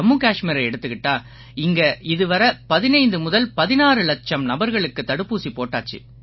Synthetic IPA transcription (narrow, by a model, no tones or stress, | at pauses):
ɐmːuːkaːʂmɪɾɐɛɽɯt̪ːɯkɪʈːaː | ɪŋɡɐɪðɯʋɐɾɐpɐðɪnɐɪnd̪ɯmʊðɐlpɐðɪnaːɾɯlɐt͡ʃɐmnɐbɐɾɣɐɭɯkːɯt̪ːɐɽɯpːuːsipoːʈːaːt͡ʃːḭ